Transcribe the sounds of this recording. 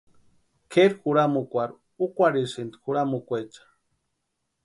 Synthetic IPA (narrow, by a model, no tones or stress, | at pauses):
kʰeɾxuɾamukʷaɾ | ukʷaɾisind̪xuɾamukʷet͡ʃḁ